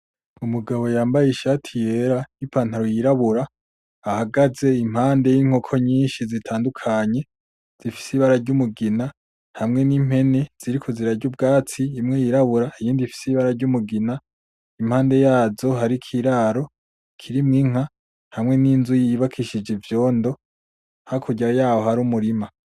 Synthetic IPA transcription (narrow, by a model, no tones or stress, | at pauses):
umuɡaβo̞jaːmbajiʃatʰije̞ɾajipʰaːntaɾojiɾaβuɾa | ahaɡaze̞im̥haːnde̞jiŋ̥ho̞kʰo̞ɲiːnʃizitʰaːndukʰaɲe̞ | z̥ifi̥siβaɾaɾɟumuɡina | n̥hamŋe̞niːm̥he̞ne̞z̥iɾikʰuziɾaɾɟub̚ɡaːt͡siːmŋe̞jiɾaβuɾaijiːndifi̥siβaɾaɾɟumuɡina | im̥haːnde̞jaːzo̞ɦaɾikʰiɾaɾo̞ | kʰiɾimŋiŋ̥a | nhamŋe̞niːnzujiβakʰiʃid͡ʒevjo̞ːndo̞ | hakʰuɟiɾajaːwo̞haɾuːmuɾima